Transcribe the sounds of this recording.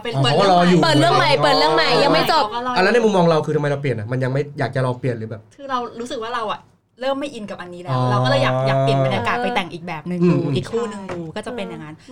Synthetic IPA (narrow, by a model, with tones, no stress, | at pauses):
ɔ˧˨˦a˥lɔː˧juː˨˩pəː˨˩t̪̚ɾɯ˥˩əŋma˨˩jpɤː˨˩t̪̚ɾɯ˥˩əŋma˨˩jja˧ŋma˥˩jt͡ɕo˨˩˧a˧nlɛ˦˥n˥˩jmu˧mːɔː˧ŋɾa˧wkʰɯː˧a˧ma˧jɾa˧wpli˨˩ənʔa˨˩ma˧nja˧ŋma˥˩jjaː˨˩k̚t͡ɕa˨˩ɾɔː˧pli˨˩ənlɯː˩˦bɛː˨˩p̚kʰɯː˧ɾa˧wɾuː˦˥sɯ˨˩k̚waː˥˩ɾa˧wʔa˨˩ | ɾɤː˥˩mːa˥˩jʔi˧nka˨˩p̚ʔa˧nːiː˦˥lːɛ˦ɔwːwɔː˥˩aː˧˩jaː˨aː˨ki˨˩˧e˧na˧˩kaː˨˩t̪̚pa˧jt̪ɛ˨˩ŋʔiː˨˩k̚bɛː˨˩p̚nɯ˨˧ŋː˧˩˧iː˨˩kʰːuː˥˩nɯ˧ŋdu˧kɔː˥˩t͡ɕa˨˩pe˧nja˨˩ŋa˧˥n